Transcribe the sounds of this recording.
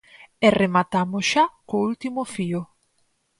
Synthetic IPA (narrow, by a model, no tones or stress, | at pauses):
ɛremat̪amoʃakoult̪imofio